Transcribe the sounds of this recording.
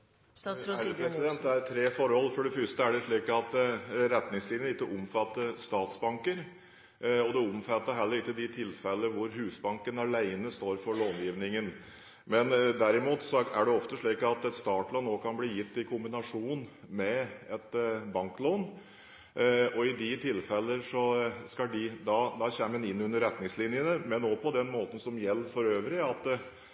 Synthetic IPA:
æpʰɾɛsɪd̪ɛn̚d̪ɛæɾt̪ʰɾeːfɔɾhɔlːfɔɖɛfʏʂt̪əæɖɛʂɭiːkɑt̪ɾɛt̪nɪŋsiːʋ̪nɪkːəʔʊmfɑt̪ːəst̪ɑːt̪sbɑŋkəɾ | ɔd̪ɛʊmfɑt̪ːəɦɛlːəɾɪkːəd̪ɪt̪ʰɪlfɛlːəʋʊɾhʉːsbɑŋkənɑlæɪnəst̪oːɾfɔɭoːnjiːʋnɪŋən | mɛnd̪æɾɪmuːt̪sɔæɖɛɔft̪əʂɭiːkɑt̪ɛt̪st̪ɑːʈlɔːnːoːkʰɑnbliːjɪt̪ːɪkʰʊmbɪnɑʂuːn | mɛɛt̪bɑŋkloːn | ɔɪd̪ɪt̪ʰɪlfɛlːəʂɔskɑlɖɪd̪ɑd̪ɑçɛmənɪnːʉnːəɾːɛt̪nɪŋslɪnjənəmɛnːoːpʰɔd̪ɛnmoːt̪ən̩sɔmjɛlːəfɔɾøːʋɾɪɑt̪

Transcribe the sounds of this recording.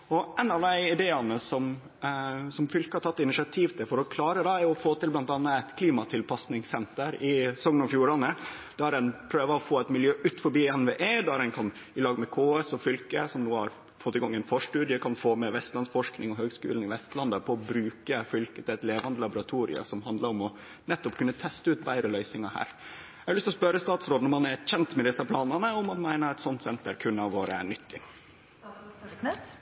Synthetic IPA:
ɔɛnːɑʋd̪æɪɪd̪eːɑnəsɔm | sɔmfʏlkəhɑɾʈʰɑt̪ːɪnɪʃɪɑt̪ʰiːʋt̪ʰɛfɔɾɔkʰlɑːɾəd̪ɛæɾɔfoːt̪ɪlblɑnt̪ɑnːəæɪt̪kʰliːmɑt̪ʰɪlpʰɑsnɪŋsɛnt̪əɾɪsɔŋːənɔfjuːɾɑnəd̪̥ææɾɛnpʰɾøːʋəɾɔfoːæt̪mɪljøːʔʉːt̪fɔɾbiːɛnʋeːʔeːd̪æɾɛnkʰɑn | ɪlɑːɡəmɛkʰoːɛsɔfʏlkəsɔmnuːhɑ̰ɾ | fɔt̪ːɪɡɑŋːɛnfoːʂʈʉːd̪ɪəkʰɑnfoːmɛʋɛst̪lɑnsfɔʂknɪŋɔɦøːɡskʉ̰ːln̩ɪʋɛst̪lɑnd̪əpʰɔɔbɾʉːkəfʏlkət̪ɪɛt̪leːʋɑnd̪əlɑbʊɾɑt̪ʰuːɾɪ̰ə̰sɔmɦɑnd̪ləɾɔmɔ | nɛt̪ːɔpkʉnːət̪ʰɛst̪əʉːt̪bæɪɾəlœʏsɪŋɑhæ̰ːɾ | æɡəlʏst̪ɔspœɾəst̪ɑːt̪sɾoːd̪nɔɾmɑnæɾçɛnt̪mɛd̪ɪsəpʰlɑːnənəɔmɑnmæɪnəɾɛt̪sɔnt̪sɛnt̪əɾkʰʉnːɑʋʋoːɾəæ̰ɳʏt̪ʰːɪ

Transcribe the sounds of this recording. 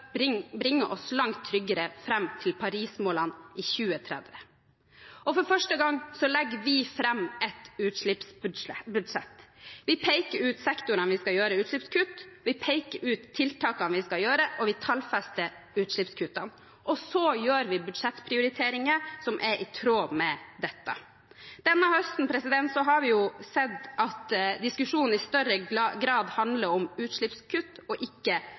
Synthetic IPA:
ɪbɾɪŋːəʔɔslɑŋt̪ʰːɾʏɡəɾəfɾɛmːt̪ʰɪlpʰɑɾiːsmoːlɑnʔɪçʉːət̪ʰɾɛ̰d̪ʋə | ɔfɔɾfœʂʈəɡɑŋːsɔlɛɡːəʋɪfɾɛmːɛt̪ʉːt̪ʂɭɪpsbʉd̪sɛt̪ːʋɪpʰɛɪkəɾʉːt̪sɛkt̪ʊɾənʋɪskɑjøːɾəʉːt̪ʂlɭɪpskʰʉt̪ʋɪpʰeɪkəɾʉːt̪ʰːɪlt̪ʰɑːkɑnʋɪskɑjøːɾəʔɔʋɪt̪ʰɑlfɛst̪ə | ʉːt̪ʂɭɪpskʰʉt̪ɑ̰n | ʔɔsɔjøːɾʋɪbʉd̪ʂɛt̪ːpʰɾɪʊɾɪt̪ʰeːɾɪŋəsɔmʔɛɾʔɪt̪ʰɾoːmɛd̪ɛt̪ːɑ̰ | d̪̥ɛnːəhœst̪n̩pʰɾɛsɪd̪ɛnt̪sɔɦɑɾʋɪjʊsɛd̪ːɑt̪d̪ɪskʉʂuːnn̩ɪst̪œɾəɡɾɑːd̪hɑnd̪ləɾɔmʉːt̪ʂɭɪpskʰʉt̪ːɔʔɪkːə

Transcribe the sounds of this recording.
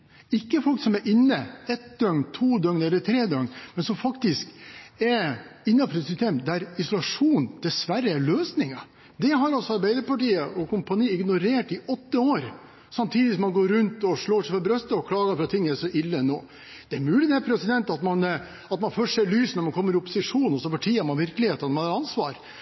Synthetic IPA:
ɪkːəfɔlksɔmæɾʔɪnːəɛt̪̚d̪œŋnt̪ʰuːd̪œŋnɛlːəɾt̪ʰɾeːd̪œŋmɛnsɔmfɑkt̪ɪskɛɾɪnːɑfɔɾɛt̪sʏst̪eːmd̪æɾɪsʊlɑʂuːnd̪̥ɛsʋæɾːəæɾløːsnɪŋɑ | d̪ɛɦɑɾɔsɔɑɾbæɪd̪əɾpɑʈiːəʔɔkʊmpɑniːɪɡnʊɾeːʈɪʔɔt̪ːəoːɾ | sɑmt̪ʰiːd̪ɪsɔmɑnɡoːɾʉnt̪ɔʂɭoːʂɛɪfɔɾbɾœst̪əɔkʰlɑːɡɑfɾɑt̪ʰːɪŋːæʂɔʔɪlːəɛnːo̰ː | d̪̥ɛæɾmʉːlɪd̪ɛpʰɾɛsɪd̪ɛnt̪ɑt̪mɑn | ɑt̪mɑnfœʂɛɾɭyːsnɔɾmɑnkʰɔmːəɾɪʊpːʊsɪʂuːnɔsɔpɑʈʰiːəæɾmɑnʋɪɾklɪheːt̪əɑnɔmɑnɑɾɑnsʋɑ̰ːɾ

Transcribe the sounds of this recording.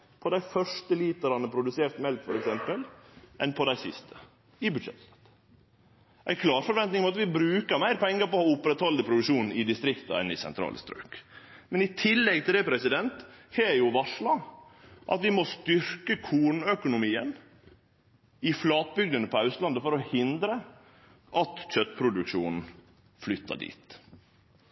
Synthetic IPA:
pʰɔd̪æɪfœʂʈəliːt̪əɾɑnəpʰɾʊd̪ʉseːɾt̪mɛlkfɔɾɛksɛmpəlʔɛnpʰɔd̪æɪsɪ̰st̪ʰə̥ | ɪbʉd̪ʂɛ̰t̪st̪ɑ̥t̪ | ʔæ̰ɪkʰlɑːɾfɔɾʋɛnt̪nɪŋmɑt̪ʋɪbɾʉːkəɾmæɪɾpʰɛŋːəɾpɔhɔʊpːɾɛt̪hɔld̪əpʰɾʊd̪ɪʂuːnɪd̪ɪst̪ɾɪkt̪ɑ̰ɛ̰nɪsɛ̰nt̪ʰɾɑ̰ːlə̰st̪ɾø̰ːkmɛnɪt̪ʰɪlːɛɡ̚t̪ʰɪlɛpɾɛsɪd̪ɛnt̪hɛjʊʋɑʂɭɑʔɑ̰t̪ʋɪmɔst̪ʏɾkəkʰuːɳœkʊnʊmiːə̰n | ɪflɑːt̪̚bʏɡ̚d̪ənəpʰɔɑʉst̪lɑnd̪əfɔɾɔhɪnd̪ɾə | ʔɑt̪ɕœt̪ːpʰɾʊd̪ʉkʂuːnn̩ | flʏt̪ːɑ̰ɖḭːt̪

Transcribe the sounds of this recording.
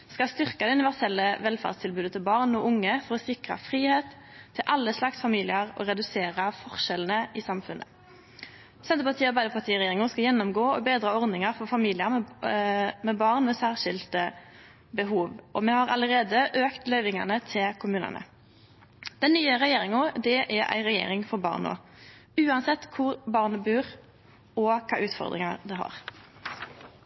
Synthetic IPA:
skɑlst̪ʏʁkɑd̪ɛʉnɪʋæʁsɛlːəʋɛlfɑ̰ʁdst̪ʰɪlbʉːd̪ət̪ʰɪlbɑːʁnɔʔʊŋːəfɔʁɔsɪkʁɑ̰fʁiːheːt̪ʰː | ɪlʔɑlːəslɑksfɑmiːlɪəʁɔ̰ʁɛd̪ʉseːɾəfɔʁʃɛln̩əʔɪsɑmfʉnʔə̰ | sɛnt̪əpɑt̪ʰiːɑʁbæɪd̪əpʰɑʁt̪ʰiːʁɛjeːɾɪŋʊskɑjɛnːɔmɡoːɔbeːd̪ɾɑːɔʁd̪nɪŋɑʁfɔfɑmiːlɪə | mɛbɑːʁnmɛsæːʁʃɪlt̪ə | bəɦuːʋʔɔmɛhɑʁɑ̰ləʁeːd̪əʔøːkt̪lœʏʋɪŋɑ̰nət̪ʰɪlkʰʊmʉːnə̰nə̰ | d̪̥ɛnnyːəɾɛjeːɾɪŋʊd̪ɛʔæʔæ̰ɪʁɛjḛːɾɪŋfɔɾbɑ̰ːʁno̰ː | ʉːɑnsɛt̪ːkʰʊɾbɑːʁnəbʉːʁ | ɔkʰɑ̰ːʔʉːt̪fɔ̰ʁd̪ʁɪ̰ŋɑd̪ɛɦɑ̰ʁ

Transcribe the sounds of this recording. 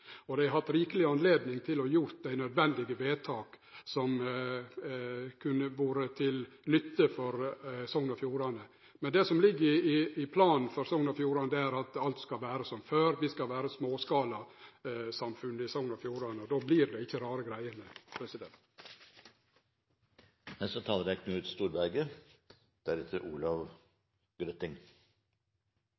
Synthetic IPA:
ɔd̪æɪɦɑt̪ɾiːkəlɪɑnleːd̪nɪŋt̪ʰɪlɔjʊɾt̪̚d̪æɪnœd̪ʋɛnd̪ɪɡəʋeːt̪ʰɑːksɔm | kʰʉnːəʋuːɾət̪ʰɪl | nʏt̪ːəfɔɾsɔŋnɑfjuːɾɑnə | mɛnd̪ɛsɔmlɪɡːəɾɪɪɪpʰlɑːnn̩fɔɾsɔŋnɑfjuːɾɑnəd̪ɛæɾɑt̪ɑlt̪skɑlʋæːɾəsɔmføːɾʋɪskɑlʋæːɾəsmoːskɑːlɑ | sɑmfʉnːəɪsɔŋnɔfjuːɾɑnəɔd̪oːblɪɾd̪ɛɪçːəɾɑːɾəɡɾæɪənəpʰɾɛsɪd̪ɛnt̪ | hæsɔt̪ʰɑːləɾækʰnʉːʉːt̪st̪uːɾbæɾɡə | d̪̥æɾʉt̪ʰəɾʔuːlɑʋ | ɡ̥ɾœt̪ɪŋ

